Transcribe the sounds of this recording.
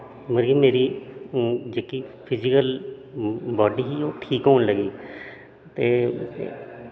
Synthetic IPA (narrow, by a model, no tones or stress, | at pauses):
məɾɡiːmeːɾiː | d͡ʒeːkiːpʰɪd͡ʒɪkəl | bɔːɖiːɦioːʈʰiːkɦoːnləɡiː | t̪eː